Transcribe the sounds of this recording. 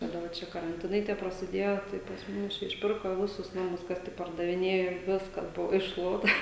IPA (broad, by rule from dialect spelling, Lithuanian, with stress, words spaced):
kɐˈdɐ ʋɐ ˈt͡ʃʲɛ kɐrɐnʲˈtʲɪnɐɪ tʲiɛ prɐsʲɪˈdʲeːjoː tɐɪ pɐs ˈmʊs ˈt͡ʃʲɛ ɪʃʲˈpʲɪrkoː ˈʋʲɪsʊs ˈnɑːmʊs ˈkɐs tʲɪk pɐrdɐʋʲɪˈnʲeːjoː ˈʋʲɪskɐs ˈbʊʋoː ɪʃˈʃlˠuɔtɐ